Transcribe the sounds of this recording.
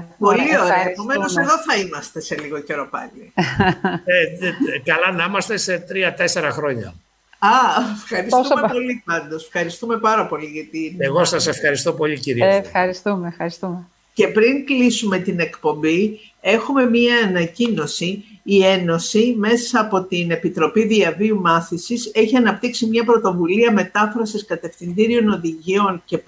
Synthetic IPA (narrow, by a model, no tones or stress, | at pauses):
po̞lio̞ɾeɐepo̞me̞noseðoθɐimɐst̪e̞se̞liɣo̞ce̞ɾo̞pɐ̰li | ekɐlɐnɐimɐst̪e̞se̞t̪ɾiɐt̪e̞se̞ɾɐxɾo̞ɲɐ̰ | ɐefxɐɾist̪umepo̞lipɐnd̪o̞sfxɐɾist̪ume̞pɐɾɐpo̞liʝɐt̪ieɣo̞sɐse̞fxɐɾist̪o̞po̞ʎiciɾifɐɾist̪umefxɐɾist̪ume | ce̞pɾiŋklisume̞t̪ine̞kpo̞mbi | e̞xume̞miɐːnɐcinosiːe̞no̞sime̞sɐːpo̞t̪ine̞pit̪ɾo̞piðiɐviumɐθisise̞çiɐnɐp̚t̪iksimɲɐpɾo̞t̪o̞vuliɐme̞t̪ɐfɾɐsiskɐt̪e̞fθind̪iɾio̞no̞ðiʝio̞ŋce̞